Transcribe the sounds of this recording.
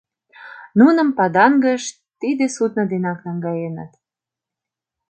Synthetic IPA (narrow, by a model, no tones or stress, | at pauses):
nunə̆mpɑd̪ɑŋɡəʃ | t̪id̪esut̪nə̆d̪enɑknɑŋɡɑjenə̰t̪